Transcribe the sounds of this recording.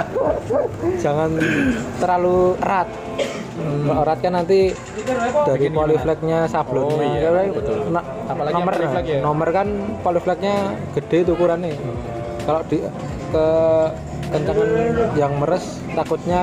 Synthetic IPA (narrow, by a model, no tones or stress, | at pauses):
d͡ʒ̥a̤ŋant̪əɾalurat̪̚ | ɡaʔɾat̪̚kanːant̪i | d̪̥aɾikwaliflɛk̚ɲasab̥lɔnkaana | nɔməknɔmərkankwaliflɛk̚ɲaɡ̥ə̤d̥e̤t̪ukuɾanːe | kaloʔd̥i | kə | kəɲt͡ʃəŋanjaŋməɾəs | t̪akut̪̚ɲa